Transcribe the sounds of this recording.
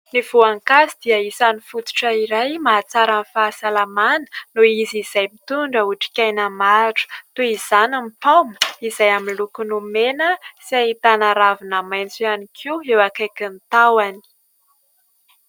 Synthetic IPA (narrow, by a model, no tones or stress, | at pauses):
niv̥uaŋkazid̪̥iəisanifut̪u̥ʈ͡ʂəiɾajmaːt͡saɾanfaːsalamanə̥nuiziz̥ajmit̪uɳɖ͡ʐəuʈ͡ʂi̥kʲajnamaʈ͡ʂu̥t̪uiz̥anamipawmə̥izajaminlukunumenəsiait̪anaɾavinamajnt͡sianikʰiwewakekint̪awani̥